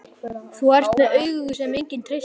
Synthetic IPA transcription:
θuar̥t̪nɛœɥɣʏɣʏ̥sɛmejɲcɪnt̪ʰɾej

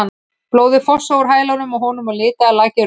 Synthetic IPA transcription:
anː | ploːwðɪfɔsːowɾ̥ɦaːjlawnʏmaɦɔːnʏmaðlɪːt̪aːlaːcɪ

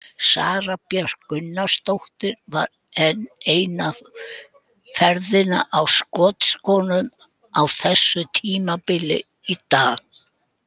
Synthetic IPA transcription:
sa̰ːɾapjaɾ̥kʏnːast̪owht̪ɪɾva̰ɾ | ɛnːejna | fɛɾðɪna̰ʔawskɔːt̪skɔːnʏm | awθɛsːʏt̪ʰiːmapɪlɪ̰ | it̪aːɣ

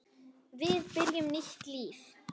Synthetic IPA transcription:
vɪðpɪɾjʏmnɪht̪liːf

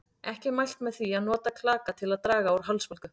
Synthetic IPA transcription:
ɛhcɪmajl̥t̪mɛðθiaðnɔːt̪akʰlaːkat̪ʰɪlaðt̪ɾaːɣaawɾ̥ɦalsfɔlkʏ

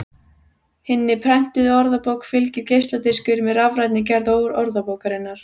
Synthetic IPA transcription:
hɪnːɪpʰɾɛn̥t̪ʏðɔɾðapoːwkfɪlcɪɾcejst̪lat̪ɪskʏɾmɛðɾavɾajt̪nɪc̬ɛɾðoːwɾɔɾðapowkaɾɪnːaɾ̥

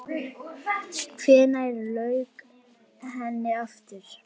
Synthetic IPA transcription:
kʰvɛːnajɾlœɥk | ɦɛnːɪaft̪ɪɾ̥

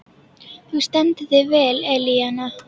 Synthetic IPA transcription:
θust̪ɛnt̪ðɪvɛːlɛliana

